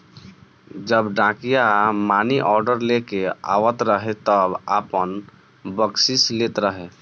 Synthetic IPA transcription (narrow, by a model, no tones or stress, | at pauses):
d͡ʒəbɖãkijamaːniʔɔːɾɖəɾlekea̰ːʋət̪ɾəɦet̪əbapən | bəksislet̪ɾəɦe